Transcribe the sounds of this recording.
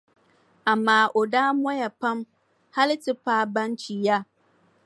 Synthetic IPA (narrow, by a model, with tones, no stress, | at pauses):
a˨maː˦ʔo˨daː˦mɔ˦ja˨pa˦m | ha˦lɪ˦tɪ˦paː˦˨bã˦nt͡ʃi˨ja˦